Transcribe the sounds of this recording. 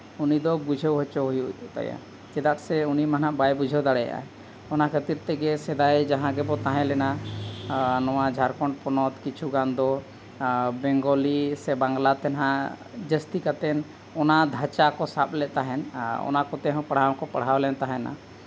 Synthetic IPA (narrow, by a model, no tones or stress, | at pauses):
unid̪ɔbud͡ʒʱewɦɔt͡ʃɔɦjut̪a̰ja̰ | kɛd̪at̪sɛunimanaʔbajbud͡ʒʱɔwd̪aɽɛja̰ʔa̰ɛ | ɔnakʰət̪iɾt̪ɛɡɛsɛd̪ajd͡ʒãɦãɡɛbɔt̪aɦɛ̃lɛna | nɔwad͡ʒʱaɾkɔɳʈpɔnɔt̪kit͡ʃʰuɡand̪ɔ | bɛŋɡɔlisɛbaŋɡlat̪ɛnɦãʔd͡ʒəst̪ikat̪ɛn | ɔnad̪ʱat͡ʃakɔsap̚lɛt̪aɦɛnɔ̰nakɔt̪ɛɦɔ̃pəɽ̤awkɔpaɽ̤awlɛnt̪aɦɛ̃na̰